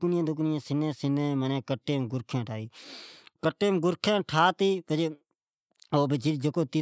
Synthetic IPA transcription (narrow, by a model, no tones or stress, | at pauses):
knɪãːd̪ʊknɪjãːsɪnẽːsɪnẽːmənẽːkəʈːeːmɡʊɾkʰẽːʈʰaːiːkəʈːeːmɡʊɾkʰẽːʈʰaːt̪iːpəd͡ʒe | oːbəd͡ʒiɾd͡ʒəkoːt̪i